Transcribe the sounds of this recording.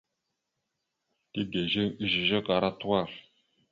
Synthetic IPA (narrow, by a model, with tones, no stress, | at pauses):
ti˦ɡe˨ʒe˦i˦ʒi˨ʒe˦ka˨ɾa˦t̪u˦wa˦˨ɾ